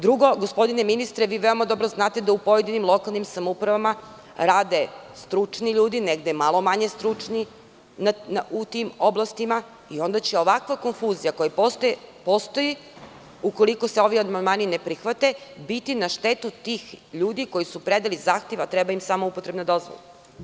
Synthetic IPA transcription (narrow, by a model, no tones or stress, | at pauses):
d̪ɾuɡo̞ɡospo̞d̪ineminist̪ɾeʋiːʋeo̞mad̪o̞bɾoznaːt̪e̞d̪aupo̞je̞d̪inimlˠo̞kalˠnimsamoupɾaʋama | ɾaːd̪e̞st̪ɾut͡ʂniʎuːd̪ineɡd̪emalˠo̞maɲest̪ɾut͡ʂni | naaut̪imoblˠast̪ima | io̞nd̪at͡ɕe̞o̞ʋakʋako̞nfuzijakojapost̪post̪o̞ji | uko̞likose̞o̞ʋiamand̪maːninepɾixʋat̪ebit̪inaʃt̪et̪ut̪iːxʎuːd̪iko̞jisupɾed̪alizaːxt̪je̞ʋat̪ɾɛbaimsaːmoupo̞t̪ɾebnad̪o̞zʋo̰lˠa